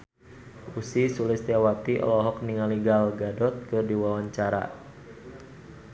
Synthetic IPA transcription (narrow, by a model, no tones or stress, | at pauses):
ʔusisulɪst̪jawat̪iʔɔ̰lɔɦɔk̚niŋaliɡalɡadɔt̪̚kɨrdiwawaɲt͡ʃaɾa̰